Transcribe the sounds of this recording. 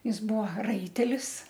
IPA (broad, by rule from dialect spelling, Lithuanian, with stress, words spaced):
ˈjɪs ˈbuɔ ˈrɐɪtʲɛlʲɪs